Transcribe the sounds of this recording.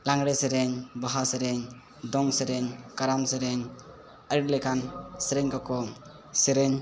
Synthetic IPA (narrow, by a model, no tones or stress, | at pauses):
laŋɾeseɾeɲbaɦaseɾeɲ | dɔŋseɾeɲkaɾamseɾeɲ | əɾiɾlekʰanseɾeɲkakɔ | seɾeɲ